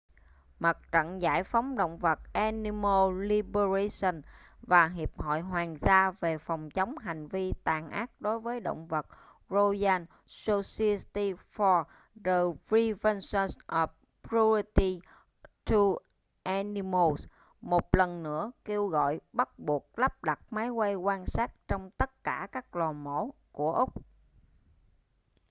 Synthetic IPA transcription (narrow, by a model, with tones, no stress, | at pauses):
mə˨˩t̚t͡ɕə̰˧˨nza̰ː˧˥jfa˨˦wŋ͡mɗo̰˧˨wŋ͡mvə˨˩t̚ʔa˧ni˧mo˧li˧ɓə˧ɹa˧sə˧˩nvaː˨˩ɦi˨˩əp̚hɔ̰˧˨jɦwaː˨˩ŋzaː˧ve˨˩fa˨˩wŋ͡mt͡ɕə˨˦wŋ͡mɦa˨˩jŋ̟vi˧t̪aː˨˩ŋʔa̰ː˦˥k̚ɗo˨˦jvəː˨˦jɗo̰˧˨wŋ͡mvə˨˩t̚ | zo˧zaː˧n | so˧si˧st̪i˧fɔ˧ | ɗə˨˩vi˧və˧nsə˧sʔə˨˩ | pɹu˧t̪i˧ | t̪ʰu˧ | ʔɛ˧ni˧mo˧s | mo˨˩t̚lə˨˩nnɨ̰˧˥əke˧wɣɔ̰˧˨jɓə˦˥t̚ɓu˨˩ək̚la˦˥p̚ɗa˨˩t̚maː˨˦jkwa˧jkwaː˧nsaː˦˥t̚t͡ɕɔ˧wŋ͡mt̪ə˦˥t̚kaː˧˩kaː˦˥k̚lɔː˨˩mo̰˧˩ku˧˩əʔʊ˦˥k͡p̚